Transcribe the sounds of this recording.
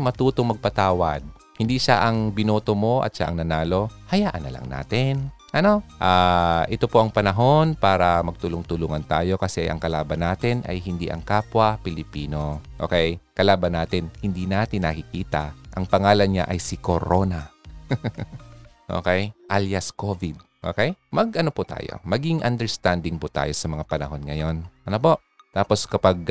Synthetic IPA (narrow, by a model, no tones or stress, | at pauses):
mɐt̪uːt̪oŋmɐɡ̚pɐt̪aːwɐd̪̚ | hɪnd̪iːʃaʔɐŋbɪnoːt̪omo̞ʔɐ̰t̪̚ʃa̰ʔɐ̰ŋnɐnaːlo̞hɐjaːʔɐ̰nːɐlɐ̰ŋna̰ːt̪ɪn | ʔɐno̞ʔaːʔɪt̪o̞po̞ʔɐŋpɐnɐɦo̞npaːɾɐmɐɡ̚t̪ʊlʊŋt̪ʊluːŋɐnt̪aːjo̞kɐsɛʔɐ̰ŋkɐlaːbɐnːaːt̪ɪnʔɐ̰jhɪnd̪ḭːʔɐ̰ŋkaːpwɐpɪlɪpiːno̞ʔo̞̰ːkɛjkɐlaːbɐnːaːt̪ɪnhɪnd̪iːnaːt̪ɪnːɐkɪkiːt̪ɐʔɐŋpɐŋaːlɐnɲa̰ʔɐjsɪkoɾo̞nɐ | ʔo̰kɛjʔaljɐskovɪd̪̚ | ʔo̰kɛjmɐɡʔɐnopʊt̪a̰ːjo̰mɐɡiŋʔɐnd̪ɛɹst̪and̪ɪŋpʊt̪a̰ːjo̞sɐmɐŋapɐnɐɦo̞nŋɐjo̞nʔɐnopo̞ʔ | t̪aːpo̞skɐpaɡ̚